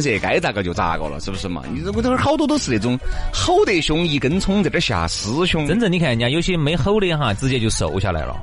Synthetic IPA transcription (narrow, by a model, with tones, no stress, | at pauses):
ʂ̩˧jɛ˨˩ka˧˥ɪt͡sa˧˩kt͡ɕjo˧t͡sa̰˥˧ko̰˥˩ʊlə̰˨˩ʂɻ̩˥˩bu˩ʂɻ̩˥˩mɐ̰˩ni˧˥˩n˥xɑ˥ʊt̪wɔ˥t̪o˥sɹ̩˧˩t̪e˧˩t͡sʊ˧˥ŋxo˥˧ʊt̪e˥˩ɪɕʊ˧˥ŋi˧˩kə˥nt͡sʰʊ˧˥ŋt͡sa˨˩ɪʈ͡ʂɕja̰˨˩sɹ̩˧˥ɕʰʊ˥ŋə˥nt͡sə˧˩ni˧˥kʰa˧˩˨ja˧˩jo˧˥ʊt͡ɕʰi˧˥me˧˥ɪxo˥˧ʊljxa˥˩t͡sɹ̩˥˧t͡ɕjɛ˥˧˩t͡ɕjo˥˧ʊso̰˨˩ʊɕja˥˩la˧ɪʔə̰˧